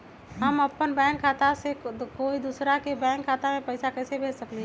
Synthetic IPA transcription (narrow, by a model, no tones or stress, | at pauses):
ɦəməpːənbɛ̃ːŋkʰːaːt̪asekoːid̪uːsɾakebɛ̃ːŋkʰːaːt̪amẽpəɪsakɛːsebʱeːd͡ʒsəkle